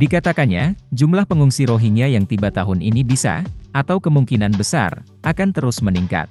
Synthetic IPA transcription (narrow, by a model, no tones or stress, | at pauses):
dikat̪akanɲad͡ʒumlahpəŋuŋsiɾoɦiŋiajaŋt̪ibat̪aɦʊninibisa̰ʔat̪awkəmuŋkinanbəsa̰r | ʔakant̪əɾʊsməniŋka̰t̪̚